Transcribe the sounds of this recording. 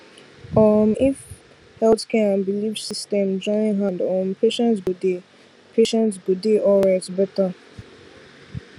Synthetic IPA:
ɔmif | hɛlθkɛãnbilifsistɛ̃md͡ʒɔ̃ɪ̃ŋɦãndɔ̃mpeʃɛ̃ntsɡude | pʰeʃɛ̃ntsɡudeʔɔɹɛtbɛta

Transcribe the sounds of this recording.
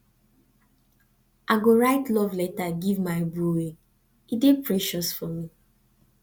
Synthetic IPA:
ʔaɡoɹaɪtlɔvlɛtaɡivmaɪbuwe | idepʰɹɛʃɔsfɔmi

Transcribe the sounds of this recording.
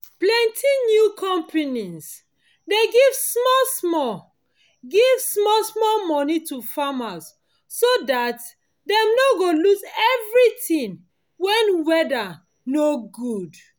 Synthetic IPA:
plɛ̃ntʰinjukʰɔ̃mpʰenis | deɡivsmɔlsmɔ | ɡivsmɔlsmɔlmɔnitufamasː | odat | dɛ̃mnoɡolusɛvɹitĩŋ | wɛnwɛda | noɡud

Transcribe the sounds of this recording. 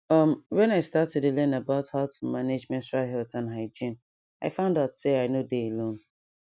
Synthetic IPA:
ʌmwɛ̃naɪstatɛdelɛnabaʊthaʊtʰumaned͡ʒmɛ̃ntɹaɦɛltãnɦaɪd͡ʒĩn | aɪfãʊ̃ndaʊtseaɪnodeelõn

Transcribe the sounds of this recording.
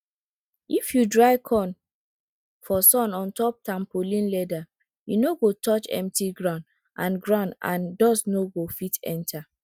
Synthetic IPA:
ifjudɹaɪkʰɔ̃n | fɔsɔ̃nɔ̃ntɔp̚tãmpolĩnlɛda | junoɡotʰɔt͡ʃɛ̰̃mtiɡɹãʊ̃nd | ʔã̰nɡɹãʊ̃nã̰ndɔsnoɡofitɛ̰̃ntʰa

